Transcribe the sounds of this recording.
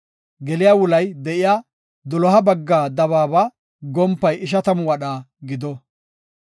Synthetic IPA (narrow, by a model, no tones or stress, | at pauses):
ɡɛlɪjaːwʊlɐjd̪ɛʔɪjaː | d̪ɔlɔɦɐbɐɡːaːd̪ɐβaːba | ɡɔmpːɐjɪʃ̬ɐt̪ɐmʊwɐɗaːɡɪd̪ɔ